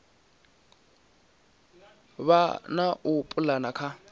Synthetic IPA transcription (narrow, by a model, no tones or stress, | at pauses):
βanaʔʊpʼʊlanakʰa